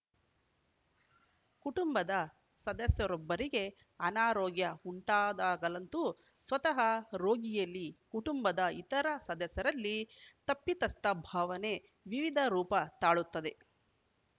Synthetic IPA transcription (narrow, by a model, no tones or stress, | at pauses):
kuʈumbɐd̪ɐ | sɐd̪ɐsjɐɾɔbːɐɾiɡe̞ | ɐnaːɾɔːɡjɐuɳʈaːd̪aːɡɐlɐnt̪u | sʋɐt̪ɐɦɐɾo̞ːɡijɐlːikuʈumbɐd̪ɐit̪ɐɾɐsɐd̪ɐsjɐɾɐlːit̪ɐpːit̪ɐst̪ɐbʱaːʋɐne̞ | ʋiʋid̪ʱɐɾuːpɐt̪aːɭut̪ːɐd̪e̞